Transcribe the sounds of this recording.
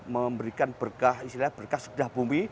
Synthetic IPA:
məmbəɾikanbərkahist̪ilahbərkahsədahbumbi

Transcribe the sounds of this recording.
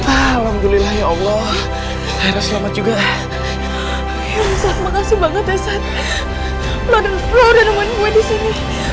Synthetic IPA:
alamd̪ulilahjaɔlːɔ | aiɾaslamat̪̚d͡ʒuɡa | jamsat̪məŋasubaŋət̪asat̪ | maɾənfloɾanamankuadisini

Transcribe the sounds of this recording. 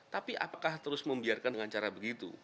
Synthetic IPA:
t̪apiʔa̰pakaht̪əɾʊsməmbiarkanəŋant͡ʃaɾabəɡit̪ṵ

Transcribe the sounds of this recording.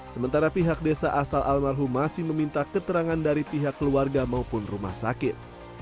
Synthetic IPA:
səmənt̪aɾapiɦak̚desaʔasalʔalmarɦumasɪhməmint̪akət̪əɾaŋandaɾipiɦakːəluarɡamaupʊnruma̰hsa̰kɪt̪̚

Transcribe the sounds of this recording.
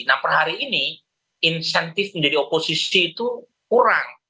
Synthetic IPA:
napərhaɾiːni | insɛnt̪ɪfməɲd͡ʒadioposisiːt̪u | kuɾaŋ

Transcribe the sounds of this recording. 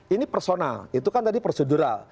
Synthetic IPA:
inipərsona̰lit̪ukant̪adiposəduɾa̰l

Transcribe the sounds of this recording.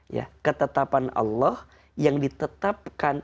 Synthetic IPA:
ja̰kət̪ət̪apanɑ̰lːɑh | jaŋdit̪ət̪ap̚kan

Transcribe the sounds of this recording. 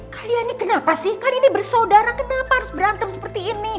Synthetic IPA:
kalianikənapasɪhkaliinibərsadaɾakənapahaɾʊsbəɾant̪əmsəpərt̪iːni

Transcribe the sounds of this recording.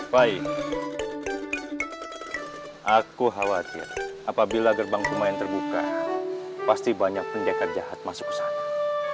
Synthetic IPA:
paj | ʔakuɦawat̪ɪ̰rʔapabilaɡərbaŋsumaɛnt̪ərbuka | past̪ibaɲak̚pundakərd͡ʒahat̪̚masʊ̥ksḁ

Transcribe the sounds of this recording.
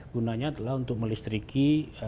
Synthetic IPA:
ɡ̥unaɲat̪əlaɦunt̪ʊk̚məlist̪ɾikʰi

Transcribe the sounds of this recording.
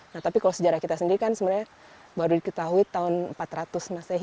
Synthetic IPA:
naht̪apikalosəd͡ʒaɾahkit̪asəndiɾikansəməɾɲa | baɾudikət̪aɦuit̪aʊnəmpat̪rat̪ʊsmasaɦ

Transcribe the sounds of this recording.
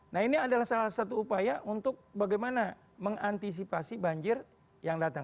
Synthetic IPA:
nahiniadalahsalahsat̪uːpajaʔunt̪ʊk̚baɡajmana | məŋant̪is̬ipasibaɲd͡ʒɪr | jaŋdat̪aŋ

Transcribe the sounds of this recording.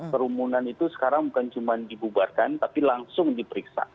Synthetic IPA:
kəɾumunanit̪usə̥kaɾaŋbukant͡ʃumandibubarkant̪apilaŋsʊŋdipəɾiksa̰

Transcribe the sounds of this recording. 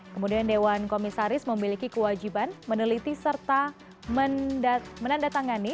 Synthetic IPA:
kəmudiandewankomisaɾɪsməmilikikəwad͡ʒibanmənəlit̪isərt̪a | məndamənandat̪aŋani

